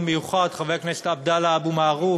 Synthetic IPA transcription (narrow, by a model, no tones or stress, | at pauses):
mejuχad̪χaveknese̥t̪ab̚d̪alaabumaːʁu